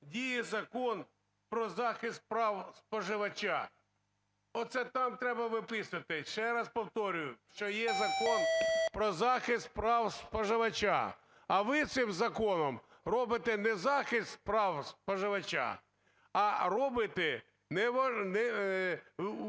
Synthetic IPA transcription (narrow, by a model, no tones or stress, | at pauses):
dʲijɛzɐkɔn | pɾɔzɑxɪst̪̚pɾɑwspɔʒɪʋɐt͡ʃa | ɔt̪sɛt̪ɑmt̪ɾɛbɐʋɪpɪsʊɐt̪ɪʃt͡ʃɛɾɐspɔwt̪ɔɾʲʊjʊʃt͡ʃɔjɛzɐkɔnpɾɔzɑxɪst̪̚pɾɑwspɔʒɪʋɐt͡ʃa̰ | ɐʋɪt̪sɪmzɐkɔnɔm | ɾɔbɪt̪ɛnɛzɑxɪst̪pɾɑwspɔʒɪʋɐt͡ʃa̰ː | rɔbɪt̪ɛ | nɛʋɔnɛ